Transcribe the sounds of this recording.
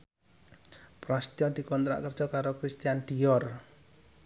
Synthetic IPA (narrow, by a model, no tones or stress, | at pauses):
pɾast̪jɔd̪̥i̤kɔnt̪ɾa̰ʔkərd̥ʒ̥ɔkaɾokɾist̪ijanɖ̪̥ijɔr